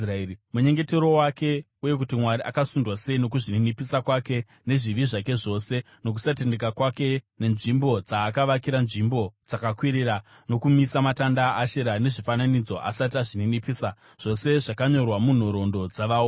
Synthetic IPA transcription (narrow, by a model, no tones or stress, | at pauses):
ramuɲe̞ŋɡe̞teɾo̞wake̞ | uje̞k̬utimwaɾiʔa̰kasundwase̞ino̞k̬uʐininipisakwake̞ | ne̞ʐiʋiʐake̞ʐo̞se̞ | no̞k̬u̥satende̞kakwake̞ne̞nʐimbo̞d͡zaːkaʋakiɾanʐimbo̞d͡zakakwiɾira | no̞kumisamatandaːʃeɾane̞ʐifananid͡zo̞ʔa̰sat̬aʐininipisa | ʐ̥o̞se̞ʐakaɲo̞rwamun̤oɾo̞ndo̞d͡zaʋao